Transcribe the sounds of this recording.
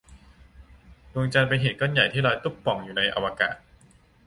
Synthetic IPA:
lu˧ŋt͡ɕa˧npa˧nɦeː˨˩t̪̚kɔ˥˩nja˨˩jt̪ʰiː˥˩ɾɔː˧jt̪u˥˩ppːɔ˨˩ŋjuː˨˩na˧jʔa̰˧wa˧ka̰ː˨˩t̪̚

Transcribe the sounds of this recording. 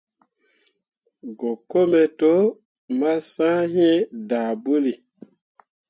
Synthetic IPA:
ɡo˨ko˦mɛ˨to˦ | ma˦sã˦hĩ˦ɛ̃˦daː˨bu˦li˨

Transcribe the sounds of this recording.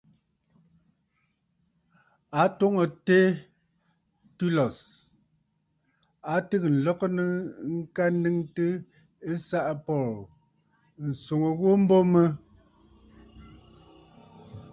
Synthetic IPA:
a˨˦to˦ŋo˨te˦ | tu˦lɔ˨s | a˨˦tɨ˦k̚n̩˨lɔ˦knə˦ŋ̩˦ka˦n˦dɨ˦ŋtə˦ | e˦sa˦ʔa˦˨pɔ˦˨l | n̩˨so˨ŋo˨ɣo˦m̩˦bo˦mə˦

